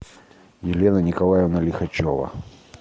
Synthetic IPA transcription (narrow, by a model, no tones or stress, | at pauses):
jɪlʲenɐnʲɪkɐlˠajɪvnɐlʲɪxɐt͡ɕovɐ̰